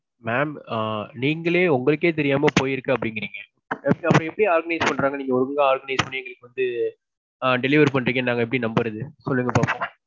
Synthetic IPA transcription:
maːmːniːŋɡɐɭeːʊŋɡɐɭɯk̬ːeːt̪̬ɛɾɪjaːmɐpoːjɪɾɯkːɯɐpːɐɽɪŋɡɪɾiːŋɡɐ | ɐpːɐɾɔ̃ɛpːɽiaːɾɡɐnɐɪspɐɳːɾaːŋɡɐniːŋɡɐɔɾɯkŋɡɐaːɾɡɐnɐɪspɐɳːɯɛŋɡɐɭɯkːɯʋɐnd̪ɯ | ɖɛlɪʋɐɾp̬ɐɳɖɪɾɯk̬ːeːnaːŋɡɐɛp̬ːɐɽinɐmbɯɾɐðɯsɔlːɯŋɡɐpaːɾpõː

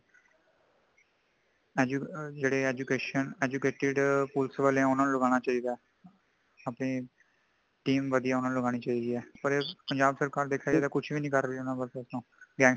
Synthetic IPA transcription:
ɛd͡ʒud͡ʒeːɽeːɛːd͡ʒukeːʃənɛːd͡ʒuːkeːʈɪɖpulsʋaːleãːʊnãːnũləɡaːñaːt͡ʃaːiːd̪aɛ | apɽiː | ʈiːmʋəd̪ijaːʊnãːnũləɡaːɽ̃iːt͡ʃaːiːd̪iːɛːpəɾepəɲd͡ʒaːbsəɾkaːɾd̪eːkʰːaːd͡ʒɛːd̪aːkʊt͡ʃʰʋiːnĩːkəɾiːʊnãːbəlssnũːɡɛ̃ː

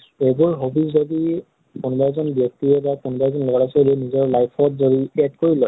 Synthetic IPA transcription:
ebuɹɦobizzodi | kunɔbajzɔnbjɔk̚tiɛbakunɔbazɔnlɔɔɹasolɛnizɔɹlajpʰɔtzodiɛdkoɹilɔj

